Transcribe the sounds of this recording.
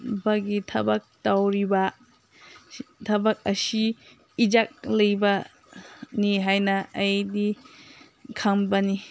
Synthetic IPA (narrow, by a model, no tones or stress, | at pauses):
bɐɡitʰɐbɐk̚tawɾibɐ | tʰɐbɐk̚ɐsiː | d͡ʒak̚lɐjbɐ | niɦajnɐɐjdi | kʰambɐni